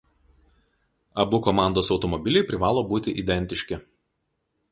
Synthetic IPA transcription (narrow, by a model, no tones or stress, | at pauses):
ɐbʊkɔmɑˑnd̪oːsɒʊt̪ɔmɔbʲɪlʲɛɪpʲɾʲɪʋɑːlˠoːbuːt̪ʲɪʔid̪ʲɛnʲt̪ʲɪʃʲkʲɪ